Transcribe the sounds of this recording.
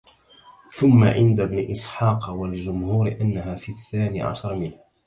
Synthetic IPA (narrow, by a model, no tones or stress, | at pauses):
θʊmːa̰ʕɪnd̪abnɪʔɪsˤħɑːqwald͡ʒʊmhuːɾʔanːaɦaːfiːʔθːaːnḭːʕa̰ʃɑɾˤmɪna